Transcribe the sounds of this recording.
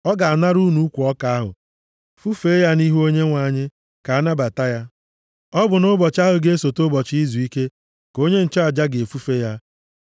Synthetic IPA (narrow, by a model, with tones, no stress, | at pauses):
ɔ˦ɡa˨a˨na˦ɾu˦nu˦kʷu˨ɔ˦ka˨a˦ɦʊ̰˨ | fu˦fe˦ja˦ni˦ɦu˦o˦ɲe˦ŋʷa˨˦˨ɲɪ˦ | ka˨a˦na˦ba˨ta˦ja˦ | ɔ˦bʊ˨nʊ˦bɔ˨t͡ʃa˦ɦʊ˨ɡe˦so˨tʊ˦bɔ˨t͡ʃi˦zu˨i˦ke˦ | ko˦ɲe˦n̩˨t͡ʃa˨d͡ʒa˦ɡe˨fu˦fe˦ja˦